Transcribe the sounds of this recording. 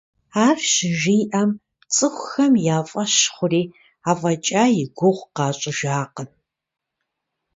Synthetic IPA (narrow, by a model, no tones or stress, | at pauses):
aːrʃɪʒiːjʔɐm | t͡sʼɨxʷxɐmjaːfʼɐɕχʷʊriː | aːfʼɐt͡ʃʼaːjɪɡʷʊʁʷqɑːɕʼɪʒaːqən